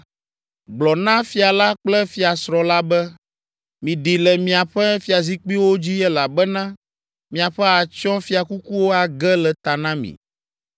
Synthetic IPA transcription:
ɡ͡blɔ˨nã˦fi˨˦a˨la˦k͡plɛ˦fi˨˦a˨sɾɔ̃˨la˦bɛ˦ | mĩ˨ɖi˨lɛ˨mĩ˨a˨ɸɛ˦fi˨a˨zi˦k͡pi˦wo˦d͡ʑi˦jɛ˦la˨bɛ˦nã˦ | mĩ˨a˨ɸɛ˦a˨t͡ʃɔ̃˦fi˨a˨ku˦ku˦wo˦a˨ɡɛ˦lɛ˨t̪a˨nã˦mḭ̃˨

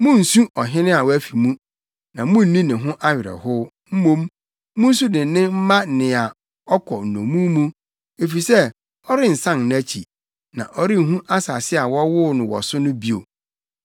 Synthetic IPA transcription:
mʊ̃˦n̩˨sũ˦ʔɔ˨ɦɪ̃˦nɪ̃˦a˨wɔ˦æ˦fi˨mũ˦ | nã˨mʊ̃˦n̩˦nĩ˦nɪ̃˨ɦʊ̃˦ʔa˦ɥɪ˨ɾɛ̰˨hʊ˦ | m̩˦mõ˦m | mʊ̃˦n̩˦su˦dɪ̃˨˦nɪ̃˦m̩˦mã˦˨nɪ̃˨a˨ | ɔ˦kʰɔ˨n̩˨nõ̰˨mũ˦mũ˦ | e˨fi˨sɛ˦ | ɔ˦ɾɪ˦n̩˨sã˦nñ˦æ˦t͡ɕʰḭ˨ | nã̰˨ʔɔ˦ɾɪ˦˨ɦũ˦ʔa˦sa˨sɪ˦a˨wɔ˦wʊ˦nʊ̃˨wɔ̰˨sʊ˦nʊ̃˦bi˦o̰˨

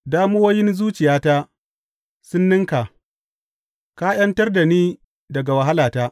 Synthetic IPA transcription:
daː˦mo˦woː˦jɪ˦nzuː˦t͡ʃɪ˨jaː˦taː˦ | sʊ˦nːɪ˦ŋka˨ | ka˦j̰ɐ˦ntɐ˦rda˨niː˦ | dɐ˨ɡa˨wɐ˨ɦa˦laː˨taː˦

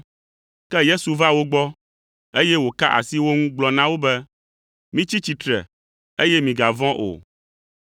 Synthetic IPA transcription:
kɛ˦je˦su˨va˦wo˦ɡ͡bɔ˦ | e˦jɛ˦wo˨ka̰˦ʔa̰˨si˦wo˦ŋũ˦ɡ͡blɔ˨nã˦wo˦bɛ˦ | mĩ˦t͡ɕi˦t͡ɕi˨t̪ɾɛ̰˨ | e˦jɛ˦mĩ˨ɡa˨vɔ̃˦ʔo̰˨

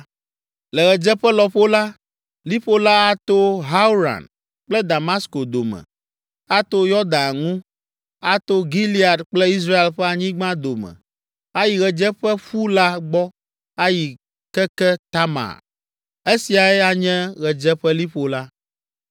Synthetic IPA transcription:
lɛ˨ɣɛ˨d͡ʒɛ˦ɸɛ˦lɔ˨ɸo˦la˦ | li˦ɸo˦la˦a˦t̪o˦ɦa˦u˦ɾa̰˨n | k͡plɛ˦d̪a˨ma˦sko˨d̪o˨mɛ̰˨ | a˦t̪o˦jɔ˦d̪a˨ŋũ˦ | a˦t̪o˦ɡi˦li˦a˨d̪k͡plɛ˦i˦s̬ɾa˦e˨lɸɛ˦a˨ɲĩ˦ɡ͡bã˦d̪o˨mɛ̰̃˨ | a˦ji˨ɣɛ˨d͡ʒɛ˦ɸɛ˦ɸu˦la˦ɡ͡bɔ˦ | a˦ji˨ | kɛ˦kɛ˦t̪a˦ma̰˨ɾ | e˦si˨a˨ɛ˦a˦ɲɛ̃˦ɣɛ˨d͡ʒɛ˦ɸɛ˦li˦ɸo˦la˦

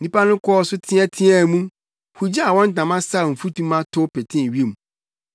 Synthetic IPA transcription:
nĩ˦pa˦nʊ̃˦kʰɔː˦sʊ˦tʰɪ̃˦ɛ˦tʰɪ̃˦a˦˨mũ˦ | hu˨d͡ʑa˦a˨wɔ̃˦n˦tã˨mã˦sa˦˨m̩˨fu˦tʰũ˦mã˦tʰʊ˦pʰɛ˨tʰɪ̃˦˨ɥi˦e˦˨mũ˨

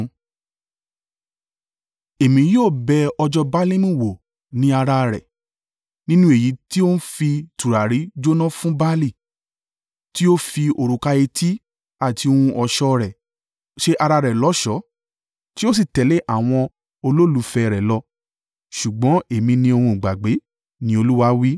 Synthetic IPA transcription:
e˨mĩ˨˦joː˦˨bɛ˧ɔ˧d͡ʒɔ˧ba˦lĩ˦mũ˦˨wo˨ | nĩ˨˦a˧ɾa˧ɾɛ̰˨ | nĩ˦nũ˦e˨ji˨˦ti˦o˦ñ̩˦fi˧tu˨ɾa˨ɾi˨˦d͡ʒo˦nɔ̃˦fũ˦ba˦li˦˨ | ti˦o˦fi˧o˨ɾu˨ka˧e˧tʰi˦ | a˦˨ti˧o˧hũ˧ʔɔ˨ʃɔ˧ɾɛ˨ | ʃe˧ʔa˧ɾa˧ɾɛ˨lɔ˨˦ʃɔ˨˦ | ti˦o˦s̬i˦˨tɛ˨˦le˦ʔa˦˨w̃ɔ̃˧ | o˧lo˦lu˨˦fɛ˧ɾɛ˨lɔ˧ | ʃu˨ɡ͡bɔ̃˨˦e˨mĩ˧nĩ˧o˧hũ˧˨ɡ͡ba˨ɡ͡be˨˦ | nĩ˦o˧lu˦wa˦wi˦

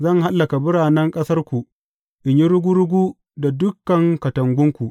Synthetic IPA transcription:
zɐ˦˨ŋɦa˦lːɐ˨ka˨bʊ˦ɾaː˨nɛ˦ŋkʼɐ˦sɐ˦rkʷu˨ | ʔɪ˨ɲji˦ɾʊ˦ɡʷu˦ɽʊ˦ɡʷuː˦ | da˨dʊ˦kːɐ˨ŋkɐ˨tɐ˨ŋɡʷʊ˦ŋkʷu˨ʔ

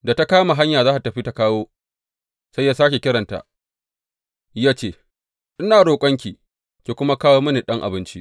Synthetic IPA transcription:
da˨ta˦kaː˦ma˨ɦa˦ɲjaː˨zaː˦ta˨tɐ˨ɸi˦ta˦kaː˦woː˦ | sa˦jːaː˦saː˦kʲe˨kʲɪ˦ɽɐ˨nta̰˨ʔ | jaː˦t͡ʃeː˦ | ʔɪ˦naː˨ɽoː˨kʷʼɐ˦ŋkʲiː˨ | kʲeː˨kʷʊ˦ma˦kaː˦woː˦mɐ˦ni˨ɗɐ˦ŋʔa̰˨bɪ˦nt͡ʃḭ˦ʔ

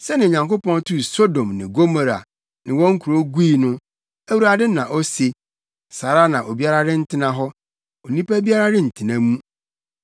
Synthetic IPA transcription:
sɛ˦nɪ̃˨ɲã˨ŋko˦pɔ̃˦n˦tu˦˨so˦dõ˨mnɪ̰̃˨ɡo˦ma˨ɾa̰˨ | nɪ̃˨wɔ̃˦ŋ̩˦kʰu˨ɾo˦ɡʷu˦i˨nʊ̃˦ | æ˦wu˨ɾa˨dɪ˦nã˨ʔɔ˦se˨ | saː˨ɾa˦nã˨ʔo˨bi˦a˦ɾa˦ɾɪ˦n̩˦tʰɪ˦nã˨ɦɔ˦ | o˨nĩ˦pæ˦bi˦a˦ɾa˦ɾɪ˦n̩˨tʰɪ˨nã˦mũ˦

